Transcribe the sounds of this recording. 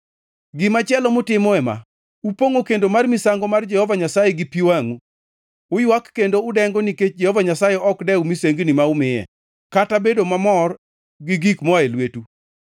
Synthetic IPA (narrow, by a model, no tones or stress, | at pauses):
ɡɪmat͡ʃɪɛlɔmʊtɪmɔɛma̰ | upoŋokendomarmisaŋɡɔmard͡ʒɛhɔvaɲasajɛɡɪpiwaŋu | ʊjwakːendoʊdɛŋɡɔniket͡ʃd͡ʒɛhɔvaɲasajɛɔkdɛumiseŋɡnimaumɪjɛ̰ | katabedomamɔr | ɡɪɡikmɔaelwetu